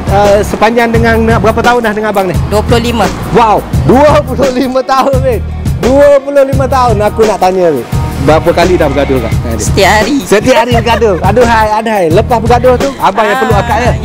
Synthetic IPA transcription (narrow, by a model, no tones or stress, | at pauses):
əsəpaɲd͡ʒaŋdəŋaŋnabəɾapat̪aʊndahdəŋanabaŋnɪhduəpulohlimə | wawduəpulʊlimət̪aʊnbɪt̪̚ | duəpulʊhlimə̃t̪aʊnakunaʔt̪aɲə̃ɪʔbəɾapəkalidahbəɡadʊhka̰ʔsə̥t̪iaʔɦaɾisət̪iaʔɦaɾibəɡadʊhɡadʊɦajadəɦajləpahbəɡadʊht̪uabaŋjaŋpərluakaʔjə